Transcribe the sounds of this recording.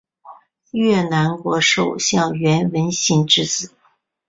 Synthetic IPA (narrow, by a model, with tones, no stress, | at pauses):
ɥɛ˥˩na˧˥nkwɔ˧˥ʂo˨˩ʊɕjɑ˥˩ŋɥɛ˧˥nwə˧˥nɕi˧˥ŋʈ͡ʂɻ̩˥˧t͡sɹ̩˨˩˦